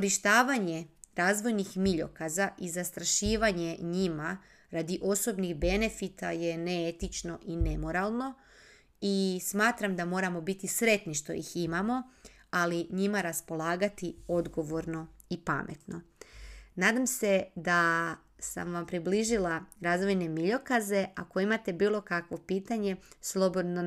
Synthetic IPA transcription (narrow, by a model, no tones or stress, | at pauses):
koɾiʃt̪aːʋaɲe̞ɾaːzʋo̞jnixmiʎo̞̰kazaʔizast̪ɾaʃiːʋaɲe̞ɲima | ɾad̪iʔo̞so̞bniɣbe̞ne̞fit̪aje̞neet̪it͡ʃno̞ʔine̞mo̞ɾalˠno̞ | ismaːt̪ɾamd̪amo̞ːɾamo̞bit̪isɾe̞t̪niʃt̪o̞̰jḭximamo̞ | aliɲimaɾaspo̞lˠaːɡat̪io̞d̪ɡo̞ʋo̞ɾno̞ipa̰mʔe̞̰t̪no̞ | naːd̪amse̞d̪a | sa̰mʋampɾibliʒilaɾaːzʋo̞jne̞miʎo̞kaze̞ʔako̞imat̪e̞biːlˠo̞kakʋo̞piːt̪aɲe̞slˠo̞bo̞d̪no